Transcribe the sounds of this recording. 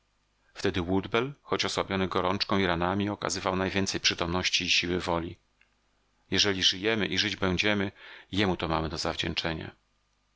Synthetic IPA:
ft̪ɛd̪ɘwud̪bɛlxɔt͡ɕɔswabʲjɔnɘɡɔɾɔnt͡ʂkɔ̃iɾanamʲiɔka̰zɘvawnajvʲjɛnt̪sɛjpʂɘt̪ɔmnɔɕt͡ɕiːɕiwɘvɔlʲi | jɛʐɛlʲiʐɘjɛmɘʔiʐɘd͡ʑbɛɲd͡ʑɛmɘjɛmut̪ɔmamɘd̪ɔzavd͡ʑɛnt͡ʂɛɲa̰

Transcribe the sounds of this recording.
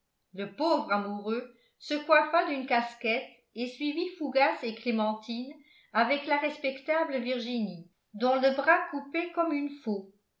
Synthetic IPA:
ləpoːvʁamuʁø | səkwafad̪ynkaskɛt̪ | esɥivifuɡaseklemɑ̃t̪ʰin | avɛklaʁɛspɛkt̪abləviʁʒini | d̪ɔ̃ləbʁakupɛkɔmynfo

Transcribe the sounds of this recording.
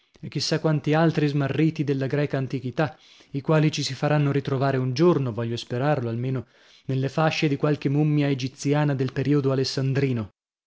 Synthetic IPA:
ek̟ːisːakwant̪ialt̪ɾizmarːiːt̪id̪elːaɡɾɛːkaːnt̪ikit̪a | ikwaːlit͡ʃisifaɾanːoɾit̪ɾovaːɾeund͡ʒornovɔʎːospeɾarloalmeːno | nelːefaʃːed̪ikwalkemumːjaed͡ʒit̪sjaːnad̪elpeɾiːod̪oalesːand̪ɾiːno

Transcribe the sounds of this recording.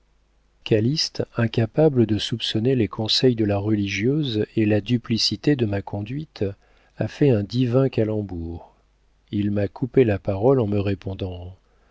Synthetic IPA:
kʲalist̪ɛ̃kʲapabləd̪əsupsɔnelekʰɔ̃sɛjd̪əlaʁəliʒjøzelad̪yplisit̪ed̪əmakʰɔ̃d̪ɥit̪ | afɛɛ̃d̪ivɛ̃kalɑ̃buʁ | ilmakʰupelapaʁɔlɑ̃məʁepɔ̃d̪ɑ̃

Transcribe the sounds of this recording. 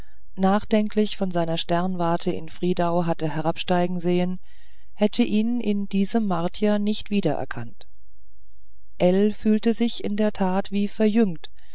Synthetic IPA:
naːχd̥ɛŋkʰlɪçfɔnzaɪnɐʃtɛɐnvaɐtʰəʔɪ̰nfʁ̥iːdaʊɦatəɦɛʁ̞apʃtaɪɡŋ̩zeːən | hɛtʰəʔiːnʔɪnd̥iːzəmːaɐtʰjanɪçtv̥iːdɐʔɛ̰ɐkʰant | ʔɛlfyːltəzɪçɪndeːɐtʰaːtv̥iːfɛɐjʏŋt

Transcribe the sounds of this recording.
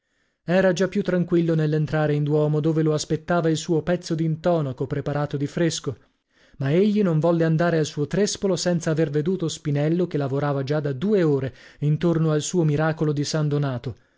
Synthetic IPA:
ɛːɾad͡ʒapːjut̪ːɾaŋkwilːonelːent̪ɾaːɾeind̪wɔːmod̪oːveloaspet̪ːaːvailsuːopɛt̪sːod̪int̪ɔːnakopɾepaɾaːt̪od̪ifɾesko | maeʎːinoɱvɔlːeand̪aːɾealsuːot̪ɾespolosɛnt̪saːverved̪uːt̪ospinɛlːok̟elːavoɾaːvad͡ʒad̪ad̪uːeoːɾeint̪ornoalsuːomiɾaːkolod̪isand̪onaːt̪o

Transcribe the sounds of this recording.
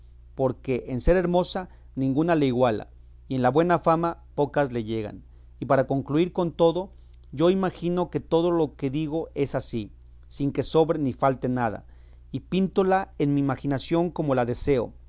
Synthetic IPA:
poɾke̞ʔense̞ɾe̞ɾmo̞sa | nĩŋɡunale̞iɣwala̰ | ienlaβwe̞nafamapo̞kazle̞ʝe̞ɣa̰n | ipaɾako̞ŋkluiɾko̞nt̪o̞ðo | ʝo̞imaxino̞ke̞t̪o̞ðolo̞ke̞ðiɣo̞ʔe̞sasi | siŋke̞so̞βɾenifalt̪e̞naða̰ | ipint̪olaenmiːmaxinasjo̞ŋko̞mo̞laðese̞o̰

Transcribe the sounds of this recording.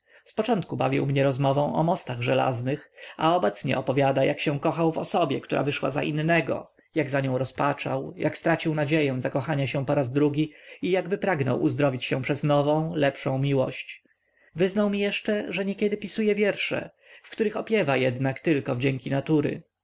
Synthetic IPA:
spɔt͡ʂɔnt̪kuba̰vʲḭwmɲɛɾɔzmɔvɔ̃w̃ʔɔ̰mɔst̪aɣʐɛla̰znɘxa̰ɔbɛt̪sɲɛ̰ʔɔpɔvʲjad̪ajakɕɛ̃kɔxawvɔ̰sɔbʲɛkt̪uɾa̰vɘʂwa̰za̰ʔḭnːɛɡɔ̰ | jaɡzaɲɔ̃w̃ɾɔspat͡ʂa̰wjakst̪ɾat͡ɕiwnad͡ʑejɛ̃w̃zakɔxaɲaɕɛ̃pɔɾazd̪ɾuɡʲiijaɡbɘpɾaɡnɔ̰wʔṵzd̪ɾɔvʲit͡ɕɕɛ̃pʂɛznɔvɔ̃w̃lɛpʂɔ̃w̃mʲiwɔɕt͡ɕ | vɘznawmʲijɛʂt͡ʂɛʐɛɲɛkʲjɛd̪ɘpʲisujɛvʲjɛɾʂɛ̰ | fkt̪uɾɘxɔpʲjɛvajɛd̪nakt̪ɘlkɔvd͡ʑɛŋkʲinat̪uɾɘ̰

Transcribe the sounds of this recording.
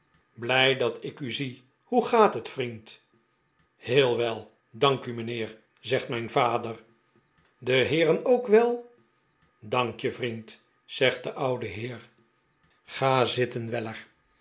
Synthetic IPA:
blɛjdɑtɪkyzi | huχaːtɦətfrint | hɪːlˠʋɛlˠ | dɑŋkymənɪːɹ | zɛχtmɛjnvaːdər | dəɦɪːɾənowkʋɛlˠ | dɑŋkjəvrint | z̥ɛχt̚dəʔʌwdəɦɪːɹ | χaːzɪtənʋɛləɹ

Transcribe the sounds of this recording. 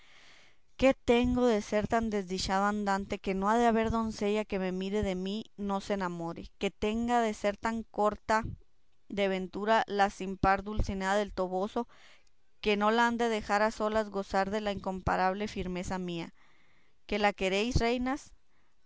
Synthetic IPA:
ke̞t̪e̞ŋɡo̞ðe̞se̞ɾt̪and̪e̞zðit͡ʃaðoand̪ant̪e̞ke̞no̞aðeaβe̞ɾðo̞nse̞ʝake̞me̞miɾe̞ðe̞mino̞senamoɾḛke̞t̪e̞ŋɡaðe̞se̞ɾt̪aŋko̞ɾt̪a | d̪eβ̞e̞nt̪uɾalasimpaɾðulsinaðaðe̞lt̪o̞βo̞so̞ | ke̞no̞laand̪eðe̞xaɾaso̞lazɣo̞saɾðe̞laiŋko̞mpa̰ɾaβ̞le̞fiɾme̞samia̰ | ke̞lake̞ɾe̞jsre̞jnas

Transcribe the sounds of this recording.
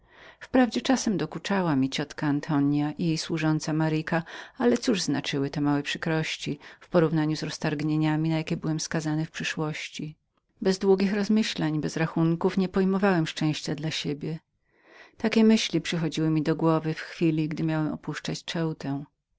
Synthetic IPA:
fpɾavd͡ʑɛt͡ʂasɛmd̪ɔkut͡ʂawamʲit͡ɕɔt̪kaːnt̪ʰɔɲjaʔijejswuʐɔnt̪samaɾikaalɛt̪suʐznat͡ʂɘwɘt̪ɛmawɛpʂɘkɾɔɕt͡ɕifpɔɾuvnaɲuzɾɔst̪aɾɡɲeɲamʲinajakʲɛbɘwɛmskazanɘfpʂɘʂwɔɕt͡ɕi | bɛzd̪wuɡʲixɾɔzmɘɕlaɲbɛzɾaxuŋkufɲɛpɔjmɔvawɛmʂt͡ʂɛ̃w̃ɕt͡ɕad̪laɕebʲjɛ | t̪akʲɛmɘɕlʲipʂɘxɔd͡ʑiwɘmʲid̪ɔɡwɔvɘfxfʲilʲiɡd̪ɘmʲjawɛmɔ̰puʂt͡ʂat͡ɕt͡ʂɛwt̪ɛw̃

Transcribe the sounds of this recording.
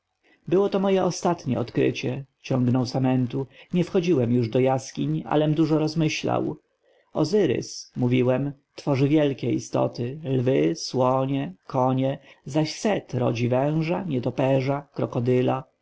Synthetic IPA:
bɘwɔt̪ɔmɔjɛʔɔst̪at̪ɲɛ̰ɔt̪kɾɘ̰t͡ɕɛt͡ɕɔŋɡnɔwsamɛnt̪uɲɛfxɔd͡ʑiwɛmjuʐd̪ɔjaskʲiɲa̰lɛmd̪uʐɔɾɔzmɘɕla̰w | ɔzɘɾɘ̰smuvʲiwɛmt̪fɔʐɘvʲjɛlkʲɛḭst̪ɔ̰t̪ɘlvɘswɔɲɛkʰɔɲɛzaɕsɛt̪ɾɔ̰d͡ʑivɛ̃w̃ʐaɲɛt̪ɔpɛʐakɾɔkɔd̪ɘla

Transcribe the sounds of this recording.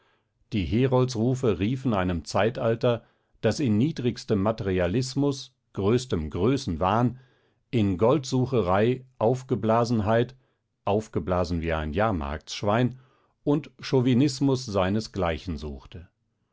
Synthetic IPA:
d̥iːɦeːʁɔltsʁuːfəʁiːfn̩aɪnəmt͡saɪtaltɐ | d̥asɪnːiːdʁɪçstəmːateʁialɪsmʊs | ɡ̥ʁøːstəmɡʁøːsn̩vaːən | ʔɪnɡɔltz̥uːχəʁaɪʔaʊfɡ̥əblaːzn̩ɦaɪt | ʔaʊfɡ̥əblaːzn̩viːa̰ɪnjaːɐma̰ɐk̚ʃv̥aɪn | ʔʊntʃovinɪsmʊsz̥aɪnəsɡ̥laɪçn̩zuːxtə

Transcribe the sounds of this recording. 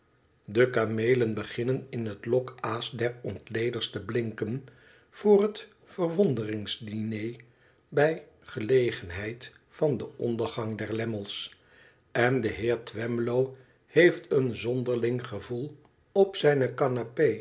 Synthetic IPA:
dəkamejlənbəχɪnənɪnɦətlɔkaːsdɛɹɔntlejdəɹstəblɪŋkən | v̥ʊːrɦət | fəɹʋɔndərɪŋzdinej | bɛj | χəlejχənɦɛjt | fɑndəʔɔndəɹχɑŋdɛɹlɛməlˠs | ɛndəɦɪːɹtʋɛmlow | hejftənzɔndəɹlɪŋχəvulˠ | ɔpsɛjnəkɑnape

